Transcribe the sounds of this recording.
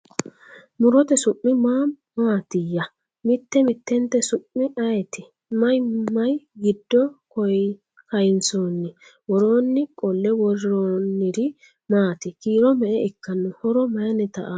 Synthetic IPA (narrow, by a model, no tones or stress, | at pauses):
mʊɾɔt̪ɛsʊʔːɪmaːmːaːt̪ɪjːɐ | mɪt̪ːɛmɪt̪ːɛnt̪ːɛsʊʔːɪʔɐjɛt̪ɪ | mɐjmɐjɡɪd̪ːɔkɔj | kɐjɪnsoːnːɪ | wɔɾoːnːɪkʼɔlːɛwɔɾɾoːnːɪd̪ɪ | maːt̪ɪkiːɾɔmɛʔɛɪkːɐnːʊhɔɾɔmɐjɐnɛt̪ɐ̰ʔa